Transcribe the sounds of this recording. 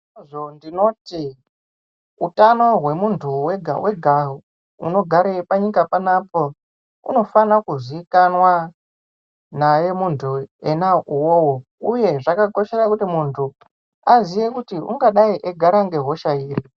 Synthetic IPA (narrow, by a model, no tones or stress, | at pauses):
ʐo̞ndino̞ti | utano̞ɦwe̞muntʰuweɡʱa̰weɡʱaɦo | ṵno̞ɡʱaɾepaɲikapanapo̞ | ṵno̞fanakuziːkanwa | naje̞muntʰuenauwowo | uje̞ʐakako̞ʃe̞ɾakutimuntʰu | azije̞kutiṵŋɡaɗaiʔeɡʱaɾaŋɡe̞ɦo̞ʃaiːri